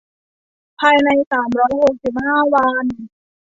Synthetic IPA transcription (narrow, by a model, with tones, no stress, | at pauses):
pʰaː˧jna˧jsaː˩˦mɾɔː˦˥jho˨˩k̚si˨˩p̚haː˥˩wa˧n